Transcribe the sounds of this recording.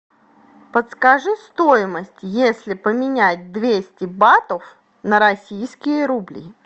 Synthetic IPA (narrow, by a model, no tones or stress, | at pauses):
pət̪skaʐɨst̪o̞jɪməsʲtʲjesʲlʲɪpəmʲɪnʲæt̚ʲd̪vʲesʲtʲɪbat̪əf | nəɾɐsʲijskʲɪjəɾublʲḭ